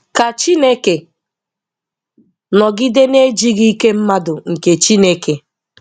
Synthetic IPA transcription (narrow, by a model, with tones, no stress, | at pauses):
ka˨t͡ʃi˦ne˦ke˨ | nɔ˨ɡɪ˦de˦ne˦d͡ʒi˦ɣi˦i˦ke˦m̩˦ma˦dʊ˨ŋ̩˨ke˨t͡ʃi˦ne˦ke˨